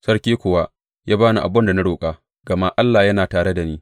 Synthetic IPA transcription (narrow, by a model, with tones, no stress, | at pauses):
sɐ˦ɽkʲeː˦kʷʊ˨wa˦ | jaː˦baː˦nu˨ʔa̰˨bɐ˦nda˨na˦ɽoː˨kʼaː˦ | ɡ̥ɐ˨ma˦ʔa˦lːaː˨jɐ˦naː˨taː˨ɽe˦da˨niː˦